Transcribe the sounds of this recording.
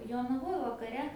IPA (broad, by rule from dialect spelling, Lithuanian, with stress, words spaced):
joːnɐˈʋoːj ʋɐkɐˈrʲɛ